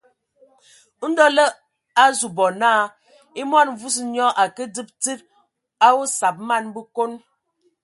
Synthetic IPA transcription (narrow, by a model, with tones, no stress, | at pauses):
n̩˦dɔ˦lə˦ | a˦zu˨bɔ˨naː˦˨ | i˦ma˦˨n˨vu˦s̬ɲɔ˦ʔa˨kə˦dɨ˦p̚ti˦t̚ | a˦wo˦sa˨p̚ma˦˨nbə˦ko˦n